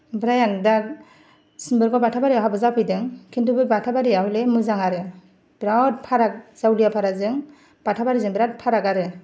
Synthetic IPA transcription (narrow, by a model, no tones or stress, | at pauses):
bɾajandak̚ | sɯmbɯɾɡɔbatʰabaɾijaɦabɯzapʰɯjdɯŋkʰintubɯbatʰabaɾiahɯlemɯzaŋaɾɯ | b̥ɾat̚pʰaɾak̚z̥awlijapʰaɾazɯŋ | b̥atʰabaɾizɯŋbɾat̚pʰaɾakaɾɯ